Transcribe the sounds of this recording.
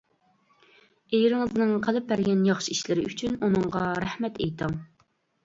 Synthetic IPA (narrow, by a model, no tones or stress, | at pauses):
ejɾɪŋɨznɨŋqʰəlˠɨp̚bæɾɡʲɛnjɑχʃiiʃlɪɾɪyt͡ʃʰynunɨŋʁɑɾæhmɛt̪ʰejt̪ʰɨŋ